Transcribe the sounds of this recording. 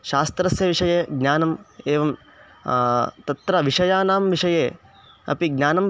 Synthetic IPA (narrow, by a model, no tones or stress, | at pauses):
ʃaːst̪ɾɐsjɐʋiʂɐjeːɡnʲaːnɐmeːʋɐm | t̪ɐt̪ɾɐʋiʂɐjaːnaːmʋiʂɐjeː | ɐ̰piɡnʲaːnɐm